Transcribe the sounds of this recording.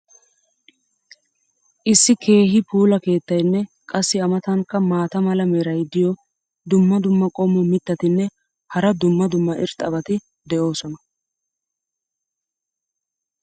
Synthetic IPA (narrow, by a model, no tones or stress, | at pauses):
ʔɪsːɪkʰe̞ːɦɪpuːlɐke̞ːt̪ːɐjnːɛkʼɐsːɪɐmɐt̪ɐŋkɐmaːt̪ɐmɐlɐmeɾɐjd̪ɪjɔ | d̪ʊmːɐd̪ʊmːɐkʼɔmːɔmɪt̪ːɐt̪ɪnːɛ | hɐɾɐd̪ʊmːɐd̪ʊmːɐʔɪɾt̪ʼɐbɐt̪ɪ | d̪ɛʔo̞ːsɔnɐ